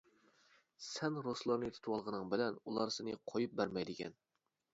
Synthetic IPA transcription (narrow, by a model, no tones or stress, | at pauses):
sɛnɾoslˠɑɾnɨt̪ʰu̥t̪ʰɨwɑlˠʁənɨŋbɪlɛnulˠɑɾsɪnɨqʰojup̚bæɾmɛjd̪ɪkʲʰɛ̰n